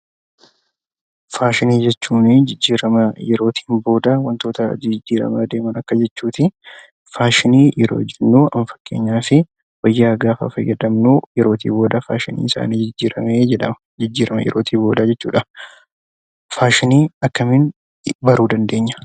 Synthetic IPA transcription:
faːʃɪniːd͡ʒɛt͡ʃːuːnɪd͡ʒɪd͡ʒːiːɾɐmɐjɛɾo̞ːt̪ʰi̥ːnbo̞ːd̪ɐwɐnt̪o̞ːt̪ɐd͡ʒɪd͡ʒːiːɾɐ̰mɐd̪e̞ːmɐnɐkːɐd͡ʒɛt͡ʃːuːt̪ɪ | faːʃɪniːjɛɾo̰ːd͡ʒɛnːuːʔɐɱfɐ̥kːe̞ːɲːaːfɪ | wɐjːaːɡaːfɐ̰fɐjɛᶑ̪ɐmnuːjɛɾo̞ːt̪ḭːbo̞ːd̪ɐfa̰ːʃɪnḭːɪsa̰ːniːd͡ʒɪd͡ʒːiːɾɐmeːd͡ʒɛᶑɐmɐ̥ | d͡ʒɪd͡ʒːiːɾɐmɐjɛ̰ɾʔo̞ːt̪ʰiːbo̞ːd̪aːd͡ʒɛt͡ʃːuːᶑɐ | faːʃɪniːɐkːɐmɪn | bɐɾuːd̪ɐnd̪e̞ːɲːɐ̥

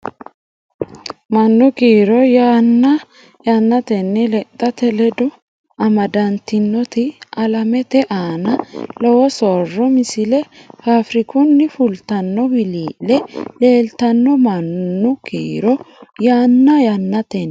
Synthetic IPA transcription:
mɐnːʊkiːɾɔjaːnːɐ | jɐnːɐt̪ɛnːɛlɛt̪ʼːɐt̪ɛlɛd̪ɔ | ɐmɐd̪ɐnt̪ɪnːɔt̪ɪɐlɐmɛt̪ɛʔaːnɐlɔwɔsɔrːɔmɪsɪlɛhaːfɾɪkʊnːɪfʊlt̪ɐnːɔbɪliːlɛle̞ːlt̪ɐnːɔmɐnːʊkʰiːɾɔjaːnːɐjɐnːɐt̪ɛnː

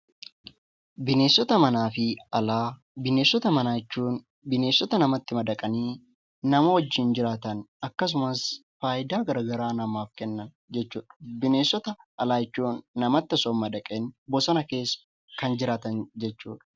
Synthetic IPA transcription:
bɪne̞ːsːɔt̪ɐmɐnaːfɪɐlaː | bɪne̞ːsːɔt̪ɐmɐnaːt͡ʃːuːn | bɪne̞ːsːɔt̪ɐnɐmɐt̪ːɪmɐd̪ɐkʼɐniː | nɐmɐwɐd͡ʒːɪnd͡ʒɪɾaːt̪ɐnɐkːɐs̬ʊmɐsfaːjɪd̪aːɡɐɾɐɡɐɾaːnɐmaːfkɛnːɐn | d͡ʒɛt͡ʃːuːᶑɐ̥bɪne̞ːsːɔt̪ɐʔɐlaːjɛt͡ʃːuːnːɐmɐt̪ːɐsɔːmːɐd̪ɐkʼenbɔsɐnɐke̞ːsːɐ̥ | kɐnd͡ʒɪɾaːt̪ɐnd͡ʒɛt͡ʃːṵːᶑɐ̥

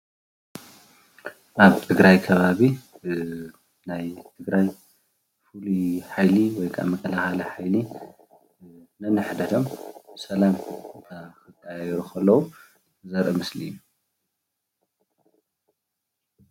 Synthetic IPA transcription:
ʔaβt̪ʰɨɡɾajkʰɐβaβi | najt̪ʰɨɡɾaj | fuluħajliwɔjkʰa̰mɐkʼɐlaxaliħajli | nɐnɨħd̪ɐt̪ʰo̞mbɨsɐlamt̪ʰakʰɨkʼːajjɛɾukʰɐlːɐwu | ɨzɐɾɐmɨslijːu

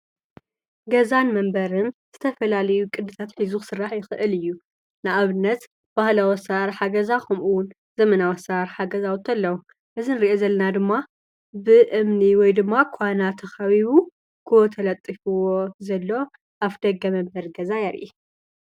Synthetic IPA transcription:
ɡɐzanmɐmbɐɾɨnz̥ɨt̪ʰɐfɐlalɐjukʼɨd̪ɨt̪ʰat̪ħizusɨrːaħjɪxɨʔɨlɨjːu | nɨʔaβɨnːɐt̪ | b̥ahlawɐsaɾħaɡɐzakɐmʔuwʊn | z̥ɐmɐnawɐsaɾħaɡɐzawt̪ʰːɐlːɐwu | ʔɨzinɨɾiʔozɐlːɐnad̪ɨmːa | bɨʔɨmniwɔjd̪ɨmːakʰanat̪ʰɐxɐβiβu | kʰɨwɔt̪ʰɐlɐt̪ʼːifuwo̞zɐlːo̞ | ʔaβd̪ɐɡɐmɐmbɐɾɡɐzajaɾʔi

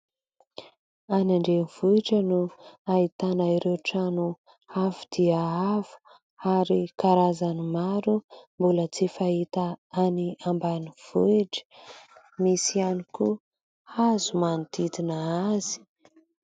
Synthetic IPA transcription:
anaɳɖ͡ʐenv̥uiʈ͡ʂənuait̪anaiɾeʈ͡ʂanu | avid̪̥iaavu̥ | aɾikaɾazanimaɾumbulət͡sifaɦit̪aaniambaniv̥uiʈ͡ʂə̥ | misianiku | azumanit̪id̪inaazi̥

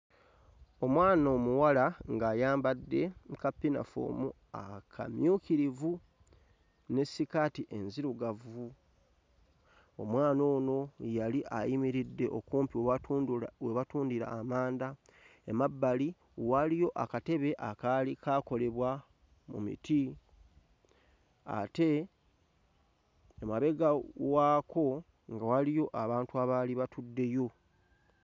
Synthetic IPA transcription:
o̞mwaːnoːmuwalaŋɡaːjaːmbadːe̞kapːina̰fo̰mu | a̰kʰa̰mjuːkiɾivu | ne̞sːikatiʔe̞nziɾuɡavu | o̞̰mwaːno̞ːno̞jaliʔajimiɾidːe̞ʔokuːmpiw | weβatuːndiɾa̰ːmaːnda | emabːali | walijo̞ʔakate̞βe̞ʔakalikako̞le̞βwa | mṵmḭtʰi | a̰te̞ | maβe̞ɡawaːko̞ | ŋɡawalijo̞ʔaβaːntuaβaliβatudːe̞jo̞

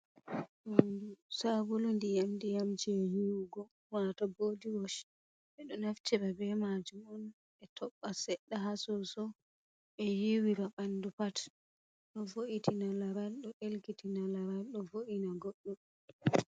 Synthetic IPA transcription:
undusaɡulundijamdijamd͡ʒiɛhiwɡɔ | wataboːdiwɔʃ | ɓɛɗɔnaft͡ʃɛbabɛmad͡ʒumɔn | ɛtʰɔɓːasɛɗːaɦasɔsɔ | ɛjiwiɾaɓanːdupat | ɗɔvoʔitinalaɾalɗɔʔelkitinalaɾalɗɔvoʔinaɡoɗːum

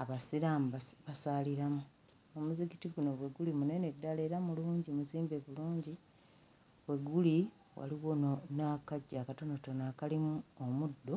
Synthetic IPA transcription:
aβasiɾamβasaːliɾamu | omuzikitiɡuno̞βwe̞ɡulimune̞ne̞dːale̞ːɾamuluːɲɟimuziːmbeβuluːɲɟi | βwe̞ɡːuli | wa̰liwononakaɟːakato̞notonaːkalimuomudːo̞

